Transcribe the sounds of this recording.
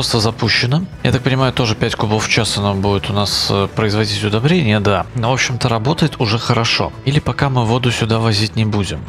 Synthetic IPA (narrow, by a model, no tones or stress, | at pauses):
ost̪əzɐpuɕːɪnəja̰t̪ak̚pənʲɪmajʊt̪o̞ʐɨpʲætʲkʊboft͡ɕasɐnobudʲɪt̪ʊnaspɾəɪzvɐdʲitʲʊd̪ɐbɾʲenʲɪjəd̪anovo̞pɕːɪmt̪əɾɐbo̞t̪əjɪt̪ʊʐɛxəɾɐʂo̞̰ilʲɪpɐkamɨvo̞d̪ʊsʲʊd̪avɐzʲitʲnʲɪbudʲɪm